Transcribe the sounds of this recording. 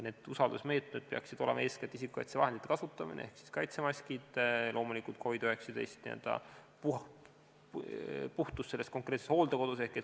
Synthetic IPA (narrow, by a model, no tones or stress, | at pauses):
ne̞ːd̪̥usɑld̪usme̞ːt̪ned̪̥̚peɑ̰ksid̪̥o̞lemʔɑ̰e̞ːsket̪ːˑis̬ikːˑu̥kɑ̰jt̪sevɑɦed̪it̪ːekɑsut̪ˑːɑmḭnḛehksi̥skɑjt̪semɑsʲkid̪̥lʔo̞ːmulikult̪̚kʰo̞vid̪yhe̞ksɑd̪e̞̰jst̪nḭæ̰ld̪̥ɑ̰ | p | puht̪usːelːest̪̚ko̞ŋkˑret̪sesho̞ːld̪eko̞d̪̥us̬e̞hkːet̪